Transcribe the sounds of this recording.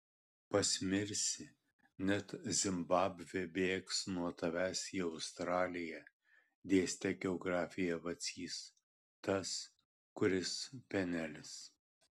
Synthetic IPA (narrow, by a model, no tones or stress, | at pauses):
pɐsʲmʲɪɾʲsʲɪ | nʲɛt̪zʲɪmbɑːbʲʋʲɛbʲeːksnuɔt̪ɐʋʲæːsʲjɛɐʊst̪ɾɑːlʲɪjɛ | d̪ʲeːsʲt̪ʲɛɡʲɛɔɡɾɑːfʲɪjɛʋɐt̪sʲiːs | t̪ɐs | kʊɾʲɪspʲɛnʲælʲɪs